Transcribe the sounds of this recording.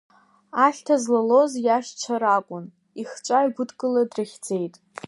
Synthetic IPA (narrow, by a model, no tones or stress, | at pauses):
aɬʲtʰazlalo̞zjaʃt͡ʃʷʰaɾakʷʼʊn | iχt͡ʃʷʼajɡʷʊdkʼɨladrɨχʲd͡ze̞jtʼ